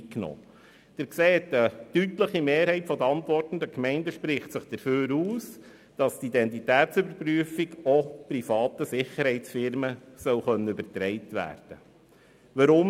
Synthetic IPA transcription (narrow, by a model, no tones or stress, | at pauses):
knɔ̰ː | d̪̥ɪɾkseːt̪ətytləχimeːɾhɛɪtfɔd̪əɑntʋɔrtn̩d̪əkmɛɪndəʃpɾɪχtsəχd̥əɾføːɾuːs | d̥ɑstidɛnt̬itæːtsʏbəɾpryəfiɡɔpɾifɑːt̪əsɪχəɾhɛɪtsfɪɾməsœwχœnːəybəɾtɾɛɪtʋæ̰ːɾd̥ə | ʋəɾʊm